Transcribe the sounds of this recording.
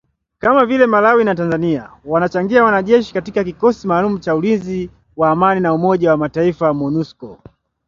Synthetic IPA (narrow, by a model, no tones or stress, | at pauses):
kamavilɛmalawinatanzania̰wanat͡ʃaŋɡiawanaʄɛʃi̥katikakikɔsimaːlumut͡ʃaulinzi | waːmaninaumɔʄawamataifamɔnuskɔ